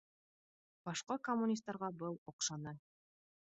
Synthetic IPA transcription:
b̥ɑʃqɑkomːunʲist̪ːɑɾʁɑbɤlˠŏqʃɑnɤ

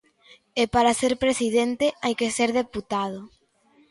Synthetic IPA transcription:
epaɾaseɾpɾesið̞ent̪eʔajkeseɾðeput̪að̞ʊ

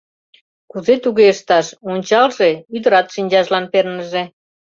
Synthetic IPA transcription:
kuzet̪uɣeʃt̪ɑʃonʲt͡ɕɑlʒeyd̪əɾɑt̪ʃinʲd͡ʑɑʒlɑnpernəʒe

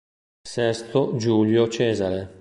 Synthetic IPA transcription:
sɛst̪od͡ʒuːljot͡ʃɛːzaɾe

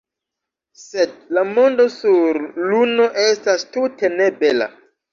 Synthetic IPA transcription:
se̞d̚lamo̞ndo̞suɾluno̞ʔe̞stastute̞ne̞be̞la̰

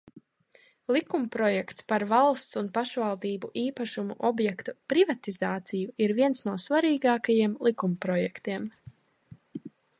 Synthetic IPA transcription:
lˠikumpɾɔjɛkt̪spaɾvalˠst̪sunpaʃvalˠd̪iːbuʔiːpaʃumṵʔɔbjɛkt̪upɾivat̪izaːt̪sijuiɾviɛnsnuɔsvaɾiːɡaːkajiɛmlˠikumpɾɔjɛkt̪iɛm

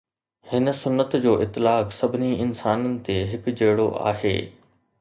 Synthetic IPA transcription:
hɪnə̆sʊnːət̪d͡ʑoːʔɪt̪ːɪlaːksɐbʱɪniɪnsaːnənɪ̆t̪eɦɪkd͡ʑeːɽoʔa̰ːɦḛː

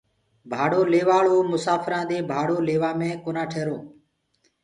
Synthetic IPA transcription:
bʱaːɽoːleːʋaːɭoːmʊsaːfɾãːd̪eːbʱaːɽoːleːʋãːmẽːkoːnaːʈʰeːɾoː

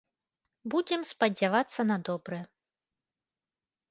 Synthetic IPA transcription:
bud͡zʲɛmspɐd͡zʲavat̪sːɐnɐd̪ɔbɾɨjɛ

